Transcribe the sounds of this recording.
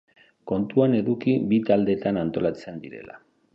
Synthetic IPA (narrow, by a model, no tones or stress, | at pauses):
ko̞nt̪uane̞ðukibit̪ald̪e̞t̪anant̪o̞lat͡se̞nd̪iɾe̞̰la̰